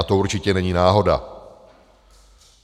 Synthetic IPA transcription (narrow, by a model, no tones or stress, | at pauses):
at̪oʔuɾt͡ʃɪcɛnɛɲiːnaːɦo̞da̰